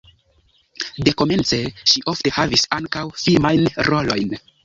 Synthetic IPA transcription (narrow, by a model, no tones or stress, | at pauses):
de̞ko̞me̞nt͡se̞ʃiʔo̞fte̞havisaŋkawfilmajnɾo̞lo̞jn